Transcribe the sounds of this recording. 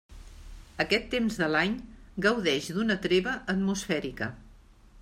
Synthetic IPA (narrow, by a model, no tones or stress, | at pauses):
əkɛt̪ːemzðəlaɲɡəwðɛʒd̪unət̪ɾeβəʔːt̪musfɛɾikə̰